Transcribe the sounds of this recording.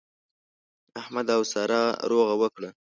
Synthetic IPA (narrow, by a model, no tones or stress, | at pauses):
ahmad̪awsɑɾɑɾoɣawəkɽə